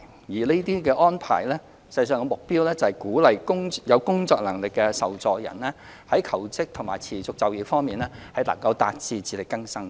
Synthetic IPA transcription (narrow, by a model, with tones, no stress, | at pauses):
jiː˨˩ne˥t̪iː˥kɛː˧ʔɔː˥npʰa̰ː˨˩jlɛː˥ | sɐ˧jsœː˨˧ŋkɛ˧mʊ˨k̚piː˥wlɛː˥t͡sɐ˨hɐ˨jkuː˨˥lɐ˨jkʊ˥ŋjɐ˨˧wkʊ˥ŋt͡sɔː˧k̚lɐ˨˩ŋlɪ˨kːɛː˧sɐ˨wt͡sɔː˨˧k̚jɐ̰˨˩nlɛː˥ | hɐ˨˥jkʰɐ˨˩wt͡sɪ˥k̚t̪ʰʊ˨˩ŋmaː˨˩t͡sʰiː˨˩t͡sʊ˨k̚t͡sɐ˨wjiː˨˧fɔː˥ŋmiː˨nɛː˥hɐ˨˥jlɐ˨˩ŋkɐ˧wt̪aː˧t̚t͡siː˧t͡siː˧lɪ˨kːɐ˥ŋsɐ˥ŋ